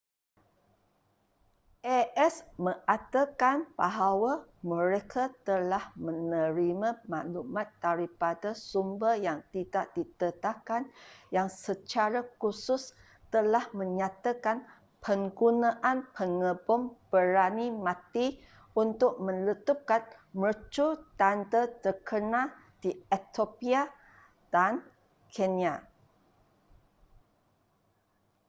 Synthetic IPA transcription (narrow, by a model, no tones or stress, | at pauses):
ʔɛʔɛsməʔat̪əkanbaɦawamə̃ɾekʰat̪əlahmə̃nəɾimãmalumat̪̚d̪aɾipadasumbəjaŋt̪idaʔdit̪ət̪akanjaŋsət͡ʃaɾakusʊs | t̪əlahmə̃ɲat̪akan | pʰəŋɡunãʔanpʰəŋəbʊmb̥əɾanimãt̪i | unt̪ʊk̚mə̃nlət̪up̚kanmət͡ʃut̪ant̪ət̪əkʰənã | d̥iet̪opia | d̥an | kʰenia